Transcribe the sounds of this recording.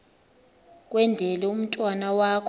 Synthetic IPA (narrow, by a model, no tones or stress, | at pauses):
k̬ʼwɛndʱɛlɛum̩tʼwanawaːkʰ